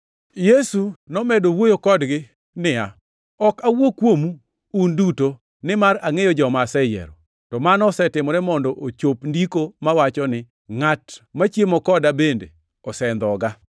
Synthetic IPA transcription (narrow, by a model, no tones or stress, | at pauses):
jesunɔmɛdowojokɔdɡɪ | nɪa̰ | ɔkawokwomuː | nduto | nɪmaɾaŋejɔd͡ʒɔmasɛjɛ̰ɾɔ̰ | tɔmanɔsɛtɪmɔɾɛmɔndɔʔot͡ʃopndikomawat͡ʃɔnɪ | ŋatmat͡ʃjemɔkɔdabendḛ | ɔsɛnd̪ɔɡa